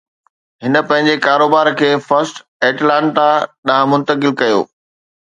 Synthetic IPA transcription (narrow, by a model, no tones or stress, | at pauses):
ɦɪnə̆pɐ̃ɦɪ̃ɲd͡ʑekaːɾoːbaːɾkʰeːfɐɾsʈ | eːʈlãːɳʈaɗãːmʊ̃nt̪əkɪlkɐjo̰ː